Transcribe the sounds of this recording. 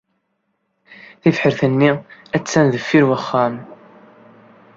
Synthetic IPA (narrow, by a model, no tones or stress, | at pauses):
θifħəɾθənːiæt͡sːænðəfːiɾwæχːæm